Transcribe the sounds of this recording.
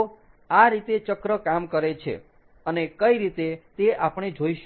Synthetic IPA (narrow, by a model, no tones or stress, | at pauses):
aɾit̪et͡ʃəkɾəkamkəɾet͡ʃʰḛ | ənekəiɾit̪et̪eʔapɽ̃ed͡ʒʱoiʃ